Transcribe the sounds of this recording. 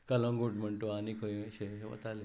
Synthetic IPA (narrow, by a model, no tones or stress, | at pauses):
kələ̃ŋɡoʈm̤əɳʈoanikʰə̃ɕeʋə̰t̪ale